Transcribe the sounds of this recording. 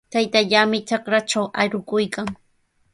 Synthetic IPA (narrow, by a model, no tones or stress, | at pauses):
t̪ajt̪aʎamɪt͡ʃakɾaʈ͡ʂawaɾʊkʊjkaŋ